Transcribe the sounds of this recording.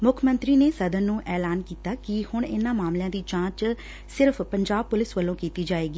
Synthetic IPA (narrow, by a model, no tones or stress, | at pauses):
mʊkʰmənt̪ɾiːneːsəd̪ənːũːʔɛːlaːnkiːt̪aːkɪhʊɳɪnãːmaːmlɪjãːd̪iːt͡ʃãːt͡ʃ | sɪɾpʰpəɲd͡ʒaːb̚pʊlɪsʋəlːõːkiːt̪iːd͡ʒaːeːɡiː